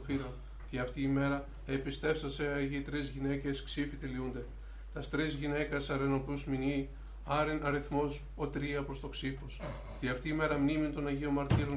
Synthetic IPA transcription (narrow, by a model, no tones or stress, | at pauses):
fiɾon | t̪iɐft̪iːme̞ɾɐ | epist̪e̞fsɐseɐʝit̪ɾizʝine̞ce̞sksifit̪eliund̪e̞ | t̪ɐst̪ɾizʝine̞kɐsɐɾenokluzmini | ɐɾinɐɾiθmos | ot̪ɾiɐpɾost̪o̞ksifos | t̪iɐft̪iːme̞ɾɐmnimint̪o̞nɐʝio̞mɐɾt̪iɾo̞n